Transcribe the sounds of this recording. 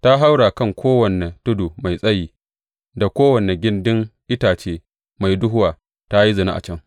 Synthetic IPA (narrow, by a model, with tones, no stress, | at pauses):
ta˦ɦa˦wɽaː˨kɐ˦˨ŋkʷʰoː˦wɐ˨ne˨tʊ˦du˨ma˨jsʼɐ˦jiː˨ | da˨kʷoː˦wɐ˨ne˨ɡʲɪ˦ndɪ˦ŋʔɪ˦taː˨t͡ʃeː˦ | ma˨jdʊ˦ɦʊ˦waː˨ | ta˦ji˦zʊ˨na̰˦ʔa̰˨t͡ʃɐ˦ŋ